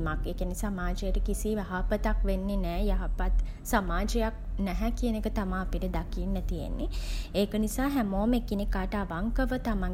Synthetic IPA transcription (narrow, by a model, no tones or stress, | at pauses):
makeːkənisamaːd͡ʒejəʈəkisijaɦapət̪akʋenːenæːjaɦapat̪ | samaːd͡ʒejak̚nɛɦɛkiənekət̪amaːpiʈəd̪akiːnːət̪ijḛnːeeːkənisaːɦæmoːmekːinikːaːʈəaʋaŋkəʋət̪amaŋ